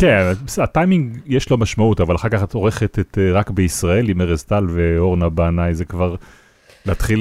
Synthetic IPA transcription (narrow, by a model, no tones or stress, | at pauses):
kenbesatajmiŋɡjeʃlo̞maʃmautavalaχaʁkaχat̪o̞ʁeχet̪et̪ʁakbeisʁae̞limeʁezt̪alveo̞ʁnabaːnajzekvaʁ | leat̪χi